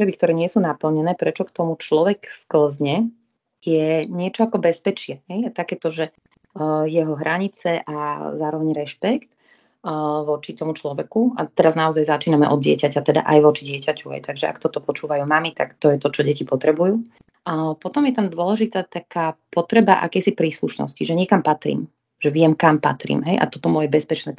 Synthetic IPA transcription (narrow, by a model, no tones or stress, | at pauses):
ɔt̪ɾɛbikt̪ɔɾɛːɲɪɛsuːnapl̩ɲɛnɛːpɾɛt͡ʃɔkt̪ɔmut͡ʃlɔʋɛkskl̩zɲɛ | jɛɲɪɛt͡ʃɔakɔbɛspɛt͡ʃɪɛɦɛjat̪akɛːt̪ɔʒɛ | jɛɦɔɦɾʔaɲit͡sɛʔazaːɾɔʋɛɲɾɛʃpɛkt̪ | ʋɔt͡ʃit̪ɔmut͡ʃlɔʋɛkua̰t̪ɛɾaznaɔzajzat͡ʃiːnamɛʔɔd̪̚ɟɪɛcacat̪ɛd̪a̰ʔajʋɔt͡ʃiɟɪɛcacuɦɛ̰jt̪aɡʒɛʔa̰kt̪ɔt̪ɔpɔt͡ʃuːʋajuːmamit̪a̰kt̪ɔjɛt̪ɔt͡ʃɔɟɛcipɔt̪ɾɛbujuː | pɔt̪ɔmjɛt̪amd̪ʊɔlɛʒit̪aːt̪akaːpɔt̪ɾɛba̰ʔa̰kɛjsipɾiːsluʃnɔ̰sciʒɛɲɪɛkampat̪ɾḭːm | ʒ̥ɛʋɪɛmkampa̰t̪ɾḭːmɦɛjʔa̰t̪ɔt̪ɔmɔjɛbɛspɛt͡ʃnɛː